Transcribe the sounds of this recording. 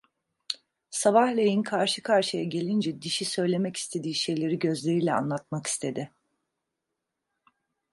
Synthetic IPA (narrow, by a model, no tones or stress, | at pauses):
saβahlʲejinkʰaɾʃɯkʰaɾʃɯjaɟe̞lʲind͡ʒɛd̪iʃisø̞jlʲe̞mɛci̥st̪ʰe̞d̪iːʃe̞jlʲe̞ɾiɟø̞zlʲe̞ɾiːlʲɛa̰nlˠat̪̚maki̥st̪ʰe̞d̪ɪ